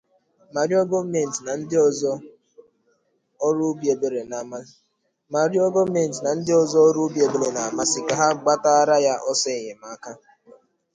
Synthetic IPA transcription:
ma˨ɾi˦ɔ˦ɡo˦me˦˨n̩˨tna˨n̩˦dɪ˦ɔ˦zɔ˦ | ɔ˦ɾu˦bi˨e˨be˨ɾe˨na˨˦ | ma˨ɾi˦ɔ˦ɡo˦me˨n̩˨tna˨n̩˦dɪ˦ɔ˦zɔ˦ɔ˦ɾu˦bje˨be˨ɾe˨na˨a˨ma˦sɪ˨ka˨ɦa˦ɡ͡ba˦ta˦a˦ɾa˦ja˦ʔɔ˦se˦˨ɲe˨m˨a˨˦ka˦

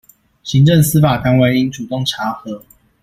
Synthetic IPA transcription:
ɕi˧˦ŋʈ͡ʂə˥˨˩ŋsɹ̩˥fa˨˩t̪a˥nwe˥˧ɪi˦˥nʈ͡ʂu˨˩t̪o˥˨˩ŋʈ͡ʂʰa˨˥˦xɤ˨˦

